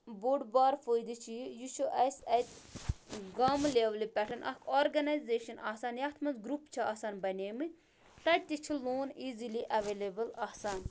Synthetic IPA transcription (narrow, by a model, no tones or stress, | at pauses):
buɖbaːɾfoːjd̪it͡ʃʰijut͡ʃʰuʔɐjsɐjt̪ | ɡɐmleːʋlipʲɛʈʰɐnʔɐ̰kʰoːɾɡɐnɐjzeːʃɐnʔaːsaːnjat̪ʰmɐnzɡɾupt͡ʃʰiaːsaːnbɐnʲeːmɨ | t̪ɐʈ̚t̪it͡ʃʰiloːniːziliʔɐʋeːlebɐlaːsaːn